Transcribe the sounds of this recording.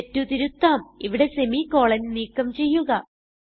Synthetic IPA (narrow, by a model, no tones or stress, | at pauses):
tːut̪iɾut̪ːaːmiʋiɽe̞se̞miko̞ːɭɐnniːkːɐmt͡ɕe̞jːuɣɐ